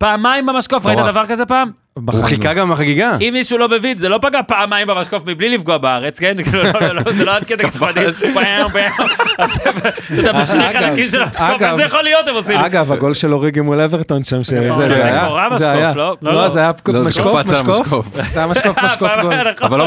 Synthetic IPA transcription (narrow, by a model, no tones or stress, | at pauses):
paːmaimbamaʃkofʁait̪ad̪avaʁkazepaːm | bauχikaɡamaχaɡiɡaimːiʃulo̞mevid̪zelopaɡapaːmajimbamaʃko̞fmiblilifɡuabaaʁet͡skenkilulzeload̪̚ked̪ekaad̪ibaombaajomazevet̪ud̪abeʃnejχaakimʃelamaʃkoɡaejaχolijot̪emosimaɡavaɡo̞lʃeloʁiɡimuleveʁt̪onʃamʃezeajaoʁamazajaflolozeajamaʃkomaʃkokfoft͡sajamaʃkofmakoɡoaval